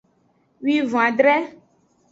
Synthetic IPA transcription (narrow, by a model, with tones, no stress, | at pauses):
wi˦vɔ̃˨a˨dɾɛ˦